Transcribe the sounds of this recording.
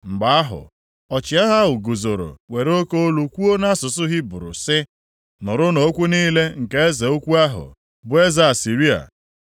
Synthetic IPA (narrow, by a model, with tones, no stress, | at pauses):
ŋ͡m̩˨ɡ͡ba˨a˦ɦʊ̰˨ | ɔ˨t͡ʃɪ˨˦a˦ɦa˦ʊ˨ɡo˨zo˨ɾo̰˨we˨ɾo˦ko˦o˦lu˨kʷu˦o˦na˦sʊ˨sʊ˦ɣɪ˦bʊ˨ɾʊ̰˨sɪ˦ | nʊ˨ɾʊ˦no˦kʷu˦niː˦le˦ŋ̩˨ke˦e˦ze˨o˦kʷu˦a˦ɦʊ̰˨ | bʊ˦˨e˦za˦a˨si˨ɾi˦a̰˨